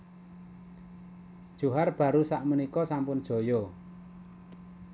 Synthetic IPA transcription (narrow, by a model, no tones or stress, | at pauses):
d̥ʒ̥ṳɦarb̥ä̤ɾusaʔmunikɔsampʊnd̥ʒ̥o̤jɔ